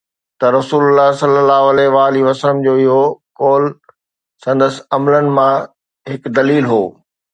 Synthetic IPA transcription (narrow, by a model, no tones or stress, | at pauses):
t̪ɐɾɐsuːlʊlːaɦsɐlːəlːaːɦʊɐlɛɦʋaːliʋɐsələmd͡ʑoːɪiɦokoːl | sɐ̃nd̪əsɐmlənɪ̆mã | ɦɪkd̪ɐliːlɦoː